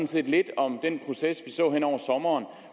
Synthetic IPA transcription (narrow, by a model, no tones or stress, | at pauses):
nse̝̰d̥le̝d̥ɒ̽md̥enpʰʁo̝sesʋisɔ̰̽ːɦen̰ɒʊ̰ɐsɒ̽mɐːn